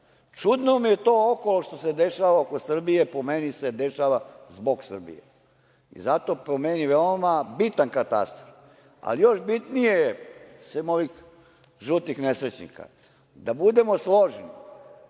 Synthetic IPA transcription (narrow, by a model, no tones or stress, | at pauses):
t͡ʃud̪nomije̞t̪oːokoloʃt̪o̞sed̪eʃaːʋaokosr̩bije̞pomenised̪e̞ʃaʋazbo̞ɡsr̩bḭjḛ | ḭzat̪o̞pɾomeniʋeomabit̪ankat̪a̰st̪ɾof | a̰lijo̞ʃbit̪nijesemoʋix | ʒut̪ixnesɾet͡ɕnḭka̰ | d̪abud̪e̞moslˠo̞ʒni